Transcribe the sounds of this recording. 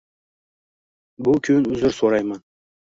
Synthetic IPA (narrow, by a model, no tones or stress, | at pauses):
bʊkʲʰɵnʉzɪɾsoɾɑjmɑn